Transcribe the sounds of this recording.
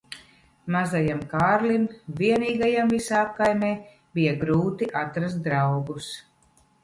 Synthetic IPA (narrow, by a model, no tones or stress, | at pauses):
mazajamkaːɾlimviɛniːɡajamvisaːp̚kajmɛː | b̥ijaɡɾuːt̪iʔat̪ɾas̬t̪̚d̪ɾawɡus